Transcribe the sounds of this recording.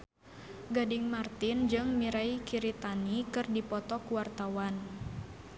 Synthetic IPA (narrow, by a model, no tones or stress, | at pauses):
ɡadɪŋmart̪ɪnd͡ʒɨŋmiɾaikiɾit̪anikɨrdipɔt̪ɔkuwart̪awan